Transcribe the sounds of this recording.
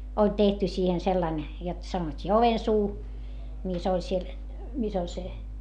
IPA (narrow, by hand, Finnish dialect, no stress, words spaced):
olʲ tehty siːhen selːɑn jot sɑnotʲːiː oʋensuː mis olʲ siel mis olʲ se